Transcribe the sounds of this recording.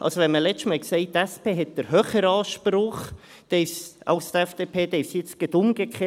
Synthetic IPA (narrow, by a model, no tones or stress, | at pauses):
ʔɑ̰lsoʋɛnməlɛt͡stmɛksɛɪtæspeːɦɛt̚d̥əɾɦøːχəɾɑːʃprʊχ | d̥ɛfsɑ̰lst̪ɛfd̥eːpʰeːd̥̪ɛɪfsjɪt͡sɡ̥ədʊmɡ̥ekʰχeː